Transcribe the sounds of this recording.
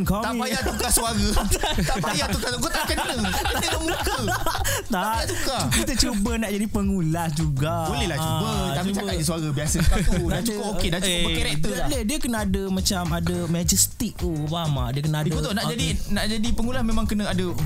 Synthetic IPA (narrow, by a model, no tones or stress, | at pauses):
kat̪aĩajat̪ukasuaɾət̪ap̪ajat̪ukasukət̪akanənə̃kət̪umkət̪aaat̪ukakit̪ət͡ʃubənaʔd͡ʒadipəŋulahd͡ʒuɡabolɛhlat͡ʃubəapiuabaʔdisuaɾəbiasəkat̪dat͡ʃukʊpokedat͡ʃukakeɾet̪əblɛhdiəkənaadəmãt͡ʃamadəmãd͡ʒəst̪ik̚oubama̰diəkənaadidut̪onaʔd͡ʒadinaʔd͡ʒadipəŋulahmẽmãŋkənaadə